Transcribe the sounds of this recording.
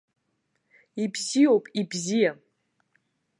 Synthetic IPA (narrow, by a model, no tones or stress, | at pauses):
ipʰsijowpʼibzija